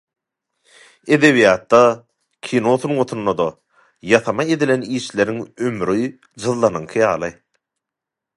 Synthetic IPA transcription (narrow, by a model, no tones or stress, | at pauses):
e̞d̪e̞βijɑːt̪ːɑ | kʲʰino̞θunʁot̪ʰunːod̪o | jɑθɑmɑe̞d̪ile̞niːʃle̞ɾiŋømɾi | d͡ʒɯðlˠɑnɯŋkʰɯjɑːlˠɯ